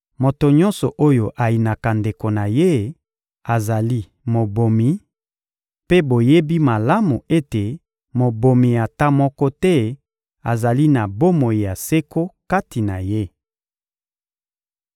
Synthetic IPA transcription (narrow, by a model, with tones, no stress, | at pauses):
mo˨to˨ɲɔ̃˦nsɔ˨ʔo˦jo˨ʔa˨ji˨na˨ka˨nde˨ko˨na˨je˦ | a˨za˨li˦ | mo˨bo˨mi˨ | pe˦bo˨je˦bi˦ma˨la˦mu˨e˦te˨ | mo˨bo˨mi˨ja˨ta˦mɔ˦kɔ˦tɛ˦ | a˨za˨li˦na˨bo˦mo˨ji˨ja˨se˦ko˦ka˦ti˨na˨je˦